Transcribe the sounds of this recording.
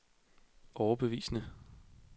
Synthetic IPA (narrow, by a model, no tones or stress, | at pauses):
ʔɒʊɐb̥e̝ʋḭːsnə